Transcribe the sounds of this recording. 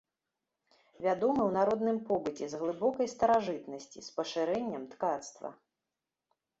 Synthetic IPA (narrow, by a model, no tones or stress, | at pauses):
vʲad̪ɔmɨwnaɾɔd̪nɨmpɔbɨt͡sʲɛzɣlˠɨbɔkɐjst̪ɐɾaʐɨt̪nɐsʲt͡sʲḭspɐʂɨɾɛnʲːɐmt̪kat̪st̪vɐ̰